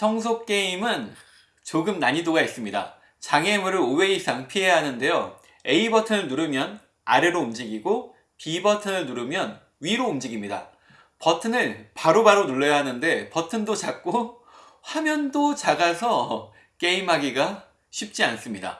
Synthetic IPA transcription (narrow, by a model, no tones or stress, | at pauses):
tʰʌŋsʰok̚k͈e̞imɯn | t͡ɕoɡɯmnaɲidoɡais͈ɯmɲida̰ | t͡ɕaŋe̞mɯɾɯɾoweisʰaŋpʰiɦe̞ɦanɯnde̞jo | e̞ibʌtʰɯnɯɭnuɾɯmjʌn | aɾɯɾoumd͡ʑiɡiɡo | pibʌtʰɯnɯɭnuɾɯmjʌn | ɥiɾoːmd͡ʑiɡimɲida̰ | pʌtʰɯnɯɭpaɾobaɾonuɭːʌjaɦanɯnde̞pʌtʰɯndot͡ɕak̚k͈o | ɸamjʌndot͡ɕaɡasʰʌ | k͈e̞imɦaɡiɡa | ɕʰip̚t͡ɕ͈ians͈ɯmɲida̰